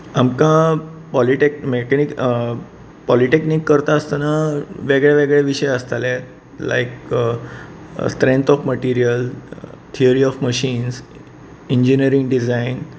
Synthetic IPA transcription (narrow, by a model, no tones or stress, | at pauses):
amkãpɔliʈekmekɛnik | pɔliʈeknikːəɾt̪aəst̪anaʋeɡɭaʋeɡɭeʋiɕəjəst̪alet̪ | la̰ik | sʈɾẽnt̪ɔfməʈiɾijəlt̪ʰiəɾiɔfməɕiːns | iɲd͡ʑiniəɾĩŋɡɖizain